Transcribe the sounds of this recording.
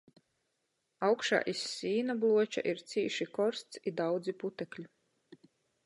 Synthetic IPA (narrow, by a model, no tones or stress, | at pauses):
awkʃa̰ːʔisːiːnablˠuɔt͡ʃa̰ʔiɾt̪sʲiːʃikɔɾst̪sid̪awd̪ziput̪ɛklʲi